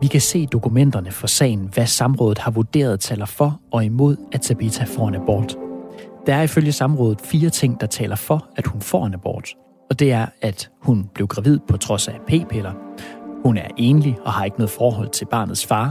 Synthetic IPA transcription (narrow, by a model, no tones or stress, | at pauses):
ʋikʰæse̝̰ːd̥o̝kʰumen̰d̥ɐnəfɒ̽sɛ̰ːɪn̩ʋæsɑ̈mʁɔ̽ːðˠð̩ˠhɑ̈ʋud̥e̝̰ːɐð̞̩ˠt͡sʰɛ̰ːlɐfɒ̽ɒ̽imo̝ð̞̰ˠæsʰæb̥it͡sʰæfɒ̰ːænæb̥ɒ̰ːd̥d̥ɑæɐiføljəsɑ̈mʁɔ̽ːðˠð̩ˠfiːɐt͡sʰe̝ŋ̰d̥ɑ̈t͡sʰɛ̰ːlɐfɒ̽æd̥hunfɒ̰ːænæb̥ɒ̰ːd̥ | ɒ̽d̥e̝æɐæd̥hunb̥le̝ʊɡ̥ʁɑ̈ʋið̰ˠpʰɒ̽t͡sʰʁɒ̽sæpʰe̝̰ːpʰelɐhunæɐʔe̝ːnliɒ̽hɑ̈e̝ɡ̥ənoɔːð̩ˠfɒːɦɒ̽l̰t͡sʰe̝lb̥ɑ̈ːnð̩ˠsfɑ̈ː